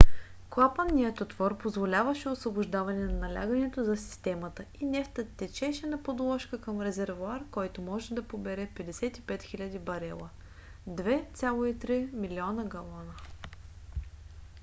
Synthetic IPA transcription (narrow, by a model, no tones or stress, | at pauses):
klˠapənːiət̪ot̪vɔɾpozvolʲavəʃɛosvobʊʒd̪avɐnɛnɐnɐlʲa̰ɡɐnɛt̪ozɐsi̥st̪ɛmət̪əinɛft̪ət̪ːɛt͡ʃɛʃɛnɐpod̪lˠɔʃkəkɐmɾɛzɛɾvoaɾkɔjt̪omɔʒɛd̪ɐpobɛɾɛpɛd̪ɛsɛt̪i̥pɛt̪xilʲɐd̪ibɐɾɛ̰lˠə | d̪vɛt̪sʲalˠoit̪ɾimiliɔnəɡɐlˠɔnə